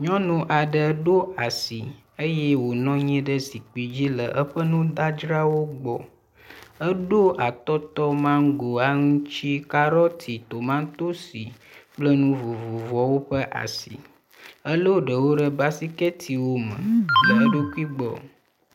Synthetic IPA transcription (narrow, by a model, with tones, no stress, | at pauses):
ɲɔ̃˦nũ˦ʔa˨ɖə˨˦ɖo˦a˨si˨ | ə˦jɛ˦wo˨nɔ̃˦ɲɛ̃˦ɖə˦si˨k͡pi˨d͡ʑi˦lə˨ʔə˦ɸə˦nũ˦d̪a˦d͡ʒɾa˦wo˦ɡ͡bɔ̰˨ | ə˦ɖo˦ʔa˨t̪ɔ˦t̪ɔ˦mã˦ŋ˦ɡo˨a˦ŋũ˦t͡ʃi˦ka˦ɾɔ˦t̪ʰi˨t̪o˨mã˦t̪o˦si˨k͡plə˦nũ˦vo˨vo˨vɔ˨wo˦ɸə˦ʔa̰˨sḭ˨ | ə˦lo˦ɖə˨wo˦ɖə˦ba˦si˦kɛ˦t̪ʰi˨wo˦mə̰̃˨lə˨ə˦ɖo˦ku˦i˦ɡ͡bɔ̰˨